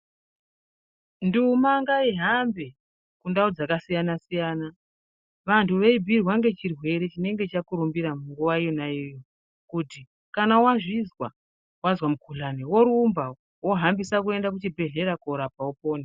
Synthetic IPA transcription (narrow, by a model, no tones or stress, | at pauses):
ndumaŋɡaiɦambe | kundaud͡zakasijanasijaːna | ʋantʰuʋe̞ibʱirwaŋɡe̞t͡ʃirwe̞ɾe̞t͡ʃine̞ŋɡe̞t͡ʃakuɾumbiɾamuŋɡuʋaijonaijo | kuti | kanawaʐizwa | wazwamukʰuɮanewo̞ɾumba | wo̞ɦambisak̬ue̞ndak̬ut͡ʃibʱe̞ɮe̞ɾakoɾapaopo̞ːni